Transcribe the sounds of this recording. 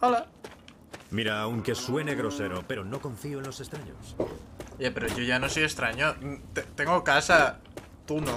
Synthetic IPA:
ola | miɾaːuŋke̞swe̞ne̞ɣɾo̞se̞ɾope̞ɾo̞no̞kõ̞ɱfioẽnlo̞se̞st̪ɾaɲo̰s | epeɾoʝoʝanosojest̪ɾaɲot̪et̪eŋɡokasa | t̪uno

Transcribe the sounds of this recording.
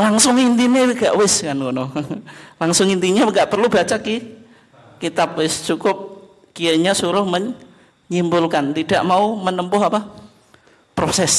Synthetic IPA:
laŋsʊŋint̪ineɡ̥aʔwɪskankono | laŋsʊŋint̪iɲaŋɡaʔpərlubat͡ʃaki | kit̪ap̚wɪst͡ʃukʊp̚ | kieɲasuɾʊhmə | ɲimbʊlkant̪idaʔmaumənəmpʊɦapa | pɾosɛs

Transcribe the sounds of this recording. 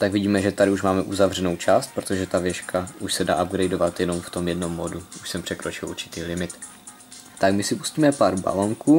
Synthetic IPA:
t̪aɡvɪɟiːmɛʒɛt̪adɪuʃmaːmɛʔuzavr̝ɛno̞wt͡ʃaːst̪̚pɾo̞t̪oʒɛt̪avjɛʃkʰaʔuʃsɛda̰ːʔab̚ɡɾɛjdo̞vat̪jɛno̞mft̪o̞mjɛdno̞mːoduʔuʃsɛmpr̝̥ɛkɾo̞t͡ʃɪlṵɾt͡ʃɪ̥t̪iːlɪmɪt̪ | t̪akmɪsɪpu̥sciːmɛpaːɾba̰lo̞ŋkuː

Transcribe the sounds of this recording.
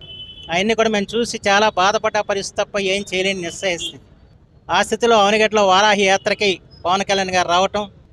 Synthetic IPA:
ɐjenːikuɽɐme̞ːmt͡ʃuːsit͡ʃaːlaːbaːd̪ɐpɐʈːɐːpɐɾist̪it̪ɐpːɐjeːmt͡ʃɛjleːninisɐɦist̪ind̪i | aːst̪ʰit̪ilo̞ːɐʋniɡɐʈlo̞ːʋaːɾaːɦijaːt̪ɾɐkipɐʋɐnkɐljaːnɡaːɾiɾaːʋɐʈɐm

